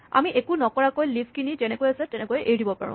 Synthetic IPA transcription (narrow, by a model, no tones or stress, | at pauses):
a̰miʔekunɔkɔɹakojlibkinitɛnɛkojasɛtɛnɛkojʔeɹibɔpa̰ɹʊ̰̃